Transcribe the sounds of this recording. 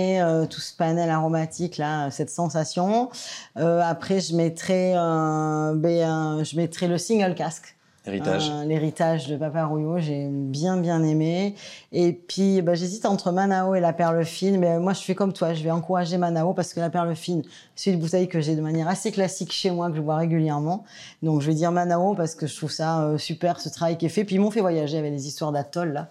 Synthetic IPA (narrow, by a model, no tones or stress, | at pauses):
eøt̪u̥sə̥panɛlaʁomat̪ʰiklaøsɛt̪sɑ̃sasjɔ̃ | øapχɛʒəmɛt̪χɛø | bɛʒəmɛt̪χɛləsĩŋɡœlkask | eia̰ʒleʁit̪aʒd̪əpapaʁujoʒebjɛ̃bjɛ̃nemeepɥibaʒezit̪ɑ̃t̪χəmanaoelapɛʁləfinmɛmwaʒəsɥɛkɔmt̪waʒəvɛɑ̃kuʁaʒemanaopaʁsə̥kəlapɛʁləfin | sɛɛynbut̪ɛjkəʒɛd̪əmanjɛʁaseklasikʃemwakəʒəvwaʁeɡʲyljɛʁmɑ̃ | d̪ɔ̃kʒəvɛd̪iʁmanaopaʁsə̥kəʒət̪χuvsaøsypɛʁsət̪χavajkʲɛfɛpɥimɔ̃fɛvwajaʒeavɛk̚lezist̪waʁd̪at̪ɔlːa